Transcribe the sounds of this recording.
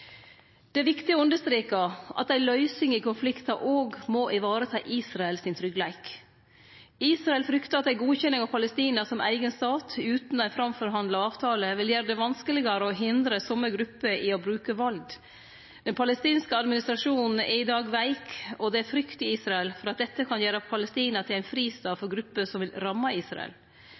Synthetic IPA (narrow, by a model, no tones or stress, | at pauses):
d̪̥ɛæɾʋɪkt̪ɪoʉnd̪əʂt̪ɾeːkɑʔɑ̰t̪̚d̪æɪlœʏsɪŋɪkʊnflɪkt̪ɑʔoːɡmoːʔɪʋɑːɾət̪ʰɑːʔiːsɾɑɛlsɪnt̪ʰɾʏɡlæɪk | iːsɾɑɛlfɾʏkt̪əɾɑt̪d̪æɪɡuːçɛnːɪŋɑʋpʰɑləst̪iːnəsɔmʔæ̰ɪɡənst̪ɑːt̪ʰʉːt̪nɔæɪnfɾɑmfɔɾɦɑnd̪lɑɑːʋt̪ʰɑːləʋɪljæːɾəd̪ɛʋɑnskəlɪɡəɾəɔɦɪnd̪ɾəsɔmːəɡɾʉpːəʔɪɔbɾʉːkəʋɑld̪ | d̪ɛnpʰɑləst̪iːnskəɑd̪mɪnɪst̪ɾɑʂuːnn̩ɪɪd̪ɑːɡʋæɪkɔd̪ɛæɾfɾʏkt̪ɪiːsɾɑɛlfɔɾɑt̪̚d̪ɛt̪ːəkʰɑnjæːɾəpʰɑləst̪iːnɑt̪ʰɪlæɪnfɾiːst̪ɑːfɔɾɡɾʉpːəsɔmʋɪlɾɑmːɑiːsɾɑ̰ɛ̰l